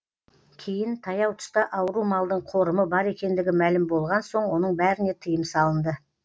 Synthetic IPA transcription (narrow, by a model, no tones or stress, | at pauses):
kʲʰe̞jɪnt̪ʰɑjɑwt̪ʰʊ̥st̪ɑʔɑwəɾumɑlˠd̪əɴqʰo̞ɾəməbɑɾe̞kʲe̞nd̪ɪɡʲɪmælɪmbo̞lˠʁɑnso̞ɴwo̞nəɴbæɾɪne̞t̪ʰəjəmsɑlˠənd̪ə